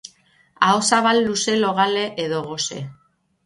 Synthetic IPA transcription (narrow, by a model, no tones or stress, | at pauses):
aosaβalːuse̞lo̞ɣale̞ʔeðo̞ɣo̞se̞̰